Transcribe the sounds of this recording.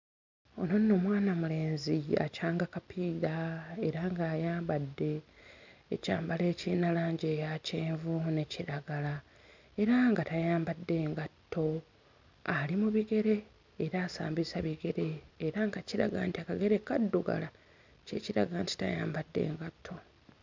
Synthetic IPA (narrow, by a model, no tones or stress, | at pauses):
ononːo̞mwaːnamule̞ːnzia̰caːŋɡakapʰiːðae̞ɾaŋɡaːjaːmbadːe̞ː | ca̰ːmbale̞ːciːnalaːɲɟeːjaceːɱvune̞ciɾaɡala | e̞ɾaŋɡatajaːmbadːe̞ːŋɡatʰːo̞ | alimuβiɡe̞ɾe̞ː | ɾaːsa̰ːmbisaβiɡe̞ɾe̞ːɾaŋɡaciɾa̰ɡa̰ːntiakaɡe̞ɾekadːoɡa̰la | cḛciɾa̰ɡaaːnti̥ta̰ja̰ːmbadːḛːŋɡatʰːo̞